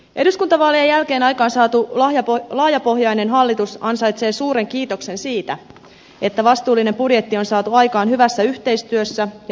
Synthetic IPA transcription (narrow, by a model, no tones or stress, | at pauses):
ʔe̞duskunt̪ɑʋɑːlːiejːælke̞ːnɑjkɑːnsɑːt̪ujɑlɑːjɑpo̞ɦjɑjne̞nɦɑlːit̪usɑnsɑjt̪se̞ːsuːɾe̞ŋkiːt̪o̞kse̞nsiːt̪æ | e̞t̪ːæʋɑst̪uːlːine̞mpudje̞t̪ːio̞nsɑːt̪uɑjkɑːnɦyʋæsːæyçt̪e̞jst̪yøsːæj